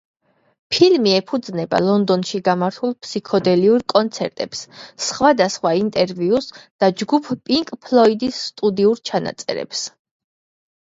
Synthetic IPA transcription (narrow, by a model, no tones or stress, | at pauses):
pʰilmiɛpʰud̪znɛba̰lˠɔnd̪ɔnʃiɡamaɾt̪ʰulˠpʰsikʰɔd̪ɛliuɾkʼɔnt̪sʰɛ̰ɾt̪ʼɛpssχwad̪asχwaint̪ʼɛɾviusd̪̥ad͡ʒɡupʰpʼiŋkʼpʰlˠɔid̪isːt̪ʼud̪iuɾt͡ʃʰana̰t̪sʼɛ̰ɾɛ̰ps